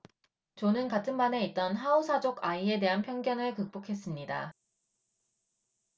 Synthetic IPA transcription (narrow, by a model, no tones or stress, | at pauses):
t͡ɕonɯnkatʰɯnmane̞it̚t͈ʌnɦausʰad͡ʑoɡaie̞de̞ɦanpʰjʌŋɡjʌnɯɭkɯk̚p͈okʰe̞s͈ɯmɲida̰